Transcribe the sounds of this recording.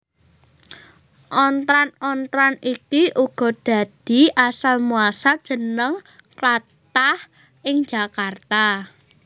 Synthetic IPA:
ʔɔnt̪ɾanɔnt̪ɾanikiʔuɡ̥ɔ̤d̥a̤d̪̥i̤ʔasalmuasad̥ʒ̥ə̤nəŋ | klat̪ah | ʔɪŋ̥d͡ʒ̥a̤kart̪a

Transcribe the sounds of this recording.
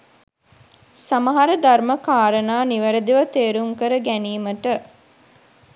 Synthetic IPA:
samɐɦaɾəd̪arməkaːɾənaːniʋəɾəd̪iʋət̪eːɾuŋkəɾəɡæniːməʈə

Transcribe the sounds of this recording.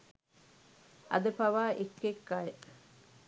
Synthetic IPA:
ɐ̰d̪əpaʋaːʔekːekːajə

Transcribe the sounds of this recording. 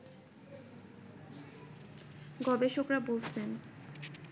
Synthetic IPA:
ɡɔbeʃokɾabolsʰen

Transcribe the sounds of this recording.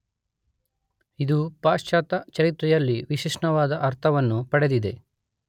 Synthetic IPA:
id̪upaːʂt͡ʃaːt̪ɐt͡ʃɐɾit̪ɾɛjɐlːiʋiʃiʂɳɐʋaːd̪ɐʔɐɾt̪ʰɐʋɐnːupɐɽe̞d̪id̪e̞

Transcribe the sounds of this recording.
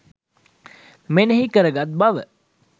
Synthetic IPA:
menəɦikəɾəɡat̪̚baʋə

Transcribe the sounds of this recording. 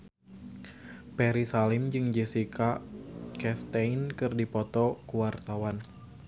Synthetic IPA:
pɛɾisalɪmd͡ʒɨŋd͡ʒɛsikakɛst̪ɛnkɨrdipɔt̪ɔkuwart̪awan

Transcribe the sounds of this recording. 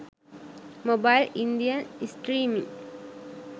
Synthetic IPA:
mobajlind̪ijənisʈɾiːmḭ̃ŋ

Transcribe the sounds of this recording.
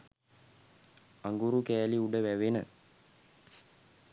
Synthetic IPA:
aŋɡuɾukæːliuɖəʋæʋenə

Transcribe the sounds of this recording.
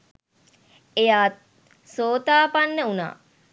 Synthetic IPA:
ejaːt̪̚ | soːt̪aːpanːəuna̰ː

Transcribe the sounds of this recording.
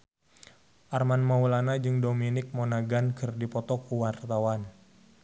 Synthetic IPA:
ʔarmanmaulanad͡ʒɨŋdominɪk̚mɔnaɡankɨrdipɔt̪ɔkuwart̪awan

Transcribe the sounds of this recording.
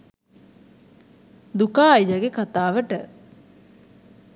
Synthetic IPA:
d̪ukaːjjəɡekat̪aːʋəʈə

